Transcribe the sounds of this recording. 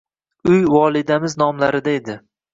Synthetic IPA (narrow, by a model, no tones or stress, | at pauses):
ʊjwɒlˠɪd̪amɪznɒmlaɾɪd̪aed̪ɪ